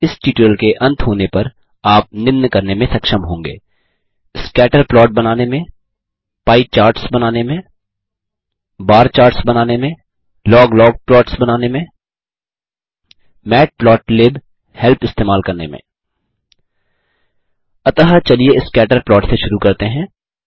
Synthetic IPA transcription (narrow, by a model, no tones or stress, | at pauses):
ɪsʈiːʈəlkeʔɐ̃nt̪ɦoːnepɐɾ | aːp̚nɪmnkɐɾnemẽsɐkʃəmɦõːŋɡḛː | ɪskɛːʈəɾplɔːʈ̚bɐnaːnemẽ | paːit͡ʃaːɾʈsbɐnaːnemẽ | baːɾt͡ʃaːɾʈsbɐnaːnemẽ | lɔːɡlɔːɡ̚plɔːʈsbɐnaːnemẽ | mɛːʈ̚plɔːʈleːb | hɛlpɪst̪eːmaːlkɐɾnḛmḛ̃ː | ɐt̪əɦət͡ʃɐlieɪskɛːʈəɾplɔːʈseʃʊɾukɐɾt̪eɦɛ̃ː